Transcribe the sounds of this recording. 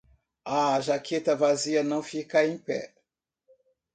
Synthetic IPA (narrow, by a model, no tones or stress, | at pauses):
aʒakʰet̪ɐvaziɐnɐ̃w̃fikaẽj̃pɛ̰